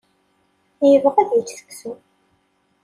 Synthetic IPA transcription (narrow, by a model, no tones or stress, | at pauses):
æjəvəʁæðjət͡sːθə̥kːsu